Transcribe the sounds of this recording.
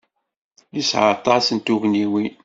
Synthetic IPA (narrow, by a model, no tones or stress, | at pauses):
jisʕəɾt̪ˤɑsənt̪uʝniwin